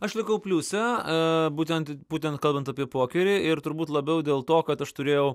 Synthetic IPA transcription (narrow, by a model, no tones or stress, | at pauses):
ɐʃlʲɪkɐʊpʲlʲuːsʲɛbuːt̪ʲɛnt̪buːt̪ʲɛnt̪kɐlˠbɐnt̪ɐpʲiɛpoːkʲɛɾʲɪːɪɾt̪ʊɾbuːt̪lˠɐbʲɛʊd̪ʲeːlˠt̪oːkɐt̪ɐʃt̪ʊɾʲeːjɛʊ